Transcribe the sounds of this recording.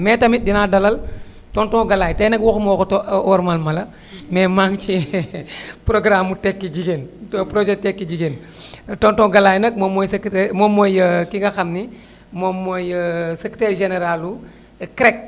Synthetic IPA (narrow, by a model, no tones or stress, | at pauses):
mɛːtɐmit̚dinaːdɐlɐl | tɔntɔ̃ɡɐlaːjtɐjnɐkwɔxmɔxutɔʔɔɾmɐlmɐlɐ | mɛːmaŋt͡ʃi | pɾoɡɾamːutɛkːid͡ʒiɡeːntːpɾod͡ʒɛtɛkːiɟiɡen | tɔntɔ̃ːɡɐlaːjnɐk̚momojsktmɔmːojəkiŋɡɐxɐmni | mɔmːojseki̥tɛɾʒeneɾalu | kɾɛk̚